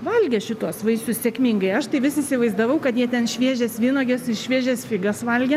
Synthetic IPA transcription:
ʋɐlʲɡʲɛʃʲɪtt̪uɔsʋɐɪsʲʊssʲeɛkmʲɪŋɡɐɪɐʃt̪ɐɪʋʲɪsɪsʲɪʋɐɪzd̪ɐʋɐʊkɐt̪jiɛt̪ʲɛnʃʲʋʲiɛʒʲɛsʋʲiːnoːɡʲesɪʃʲʋʲiɛʒʲɛsfʲɪɡɐsʋɐlʲɡʲɛ

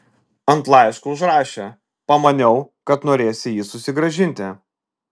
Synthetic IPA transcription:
ɐnt̪lˠɐɪʃkʊʊʒɾɑːʃʲe | pɐmɐnʲɛʊkɐt̪noːɾʲeːsʲɪjiːsʊsʲɪɡɾɐʒʲɪnʲt̪ʲɪ

